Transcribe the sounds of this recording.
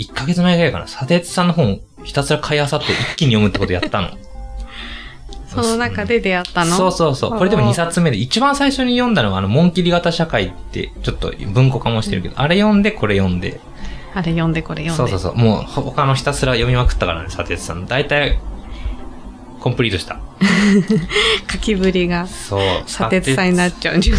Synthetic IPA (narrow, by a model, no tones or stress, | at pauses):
ikːaɡe̞t͡sɨmaiɡaika̰na̰sat̪e̞ːt͡sɨ̥sãnːo̞ɦõ̞ɴ | çi̥t̪asɨɾakʰaihasat̪ːe̞ʔikʲːiɲ̟ijo̞mɯ̟t̪ːeko̞t̪o̞jat̪ːano̞̰ | sononakad̪ed̪eat̪ːanoso̞ːso̞ːso̞̰ːko̞ɾe̞d̪emo̞ɲ̟isat͡sɨme̞d̪eit͡ɕibãɰ̃saiɕo̞ɲ̟ijõ̞nd̪ano̞βaːno̞mõ̞ŋkʲiɾʲiɡat̪aɕakait̪ːe̞̰t͡ɕo̞t̪ːo̞̰bɯ̟̃ŋko̞kamo̞ɕi̥t̪e̞ɾɯ̟ked̪oʔaɾe̞jõ̞nd̪e̞ko̞ɾe̞jõ̞nd̪e̞ | aɾejõ̞nd̪e̞ko̞ɾejosoːsoːso̞̰ːmoːhokano̞çi̥t̪asɨɾajo̞mʲimakɯ̟̥t̪ːakaɾa̰nesat̪e̞t͡sɨ̥sa̰nod̪ait̪ai | kompɯ̟ɾʲiːt̪oɕi̥t̪a̰ | kʰakʲibɯɾʲiɡasoːsaet͡sɨsãɲ̟inatt͡ɕːaɯi